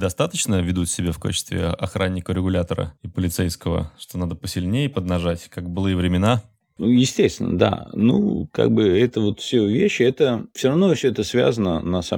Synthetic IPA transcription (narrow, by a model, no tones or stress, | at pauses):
d̪ɐst̪at̪ət͡ɕnəvʲɪd̪ut̪sʲɪbʲafka̰t͡ɕɪ̥st̪vʲɪ̰ɐxɾʔanʲːɪkəɾʲɪɡʊlʲat̪əɾə̰ipəlʲɪt̪sɛjskəvə̰ʂt̪onad̪əpəsʲɪlʲnʲejɪpəd̪nɐʐatʲkaɡkbɨlˠɨjəvɾʲɪmʲɪna | ujɪsʲtʲesʲt̪vʲɪ̰nəd̪a̰nṵka̰ɡ̚bɨɛt̪əvo̞t̪fsʲɵvʲeɕːɛt̪əfsʲoɾɐvnofsʲɵɛt̪əsvʲa̰zənə̰nɐsa̰